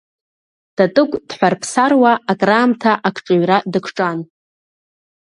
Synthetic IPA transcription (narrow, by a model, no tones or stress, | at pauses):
d̥atʼɨkʷʼd̥ħʷarpʰsarwaːkʼraːmtʰaʔakʷʰʈ͡ʂʼɨɥradɨkʷʰʈ͡ʂʼan